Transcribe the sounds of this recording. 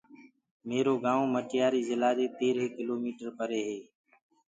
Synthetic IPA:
meːɾoːɡãːõːməʈɪjaːɾiːzɪlaːd͡ʒeːt̪eːɾɦeːkɪloːmiːʈəɾpəɾeːɦeː

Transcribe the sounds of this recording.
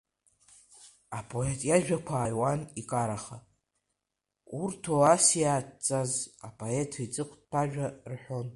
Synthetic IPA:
apʰʼo̞etʼjaʒᶣakʷʰaːjwanikʼaɾaχa | urtʰoasijaːtt͡sʼazapʼʰo̞e̞tʰait͡sʼɨqʷʰtpʰaʒᶣarħʷᶣo̞n

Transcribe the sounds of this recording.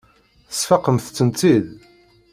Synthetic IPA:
θə̥sfɑqəmθt͡sːənt͡s̪ið

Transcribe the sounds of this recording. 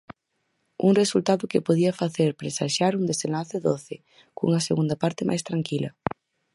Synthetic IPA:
uŋresult̪aðʊkɪpoðiɐfaθeɾpɾesaʃaɾund̪esenlaθɪðoθɪ | kṵŋɐseɣund̪ɐpaɾt̪ɪmajst̪ɾaŋkilɐ̰

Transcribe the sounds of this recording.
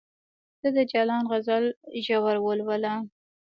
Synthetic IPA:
zəd̪əd͡ʒɑlɑnɣazalʒawaɾwəlwəla

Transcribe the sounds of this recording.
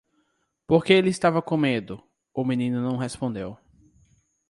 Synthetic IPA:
poɾkeelɪɪst̪avɐkõmed̪ʊ | ʊmĩnĩnʊnɐ̃w̃ɦespõnd̪ew

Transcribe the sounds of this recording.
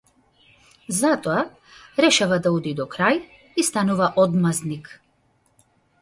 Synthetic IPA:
zat̪ɔa | ɾɛʃavad̪aud̪id̪ɔkɾaj | ist̪anuvaʔɔd̪maznik

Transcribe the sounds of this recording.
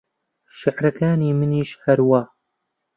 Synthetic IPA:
ʃɪʕɾɐkaːniːmɨniːʃhɐɾwaː

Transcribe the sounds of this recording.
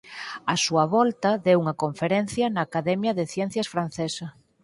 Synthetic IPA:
ɐsuɐβɔlt̪ɐðewuŋɐkoɱfeɾɛn̟θjɐnɐːkaðɛmjɐðeθjɛn̟θjɐsfɾan̟θesɐ

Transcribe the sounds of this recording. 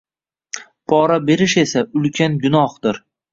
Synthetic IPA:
pʰɒɾabe̞ɾɪʃe̞saʊlkʲʰanɡʊnɒhd̪̥ɪɾ

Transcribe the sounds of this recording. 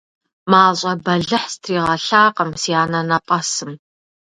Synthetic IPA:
maːɕʼɐbɐɮɨħstʰriːʁɐɬaːqɐmsiaːnɐnɐpʼɐsɨm

